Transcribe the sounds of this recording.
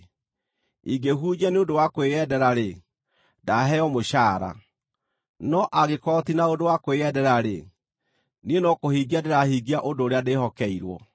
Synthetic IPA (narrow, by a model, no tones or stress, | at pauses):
iɡeɦud͡ʒɛneodowakoeɛdɛɾaɾe | daɦɛɔmoɕaːɾa̰ | nɔʔaɣekɔtinaodowakoeɛdɛɾaɾḛ | nienɔkohiɡiadeɾahiːɡiaʔodoːɾeadehɔkɛiɾwɔ̰